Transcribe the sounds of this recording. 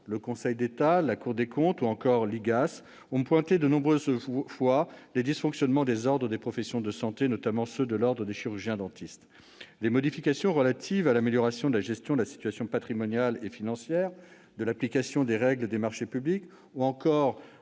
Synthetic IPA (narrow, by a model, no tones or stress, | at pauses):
ləkɔ̃sɛjd̪et̪alakuʁd̪ekɔ̃t̪uɑ̃kɔʁliɡas | ɔ̃pwɛ̃t̪ed̪ənɔ̃bʁøzfwaled̪isfɔ̃ksjɔnmɑ̃d̪ezɔʁd̪ʁəd̪epχɔfɛsjɔ̃d̪əsɑ̃t̪enɔt̪amɑ̃sød̪əlɔʁd̪ʁəd̪eʃiʁyʁʒjɛ̃d̪ɑ̃t̪ʰist̪ | d̪emɔd̪ifikasjɔ̃ʁəlat̪ʰivalameljɔʁasjɔ̃d̪əlaʒɛst̪jɔ̃d̪əlasi̥t̪ɥasjɔ̃pat̪χimɔnjalefinɑ̃sjɛːʁ | d̪əlaplikasjɔ̃d̪eʁɛɡləd̪emaʁʃepyblik | uɑ̃kɔʁ